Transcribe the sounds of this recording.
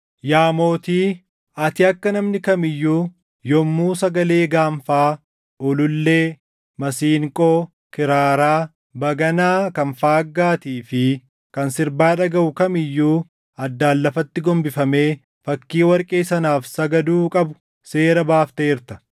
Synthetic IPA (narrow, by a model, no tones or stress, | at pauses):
jaːmo̞ːt̪iː | ɐt̪ɪɐkːɐnɐmnɪkɐmɪjːuː | jɔmːuːsɐɡɐle̞ːɡaːɱfaː | ɔlʊlːe̞ː | mɐsiːŋkʼoː | kɪɾaːɾaː | bɐɡɐnaːkɐnfaːɡːaːt̪iːfɪ | kɐnsɪɾbaːᶑɐɡɐʔʊkɐmɪjːuː | ɐd̪ːaːlːɐfɐt̪ːɪɡɔmbɪfɐme̞ː | fɐkːiːwɐɾkʼeːsɐnaːfsɐɡɐd̪uːkʼɐbʊ̥ | se̞ːɾɐbaːft̪eːɪɾt̪ɐ̥